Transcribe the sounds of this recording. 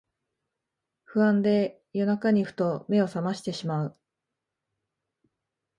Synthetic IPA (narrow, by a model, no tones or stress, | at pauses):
ɸɯ̟ãnd̪e̞ | jo̞nakaɲ̟iɸɯ̟̥t̪o̞me̞o̞samaɕi̥t̪e̞ɕimaɯ